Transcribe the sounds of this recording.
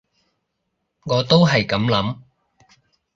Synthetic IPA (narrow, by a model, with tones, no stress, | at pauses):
ŋɔː˨˧t̪o˥wɦɐ˨jkɐ˨˥mlɐ˨˥m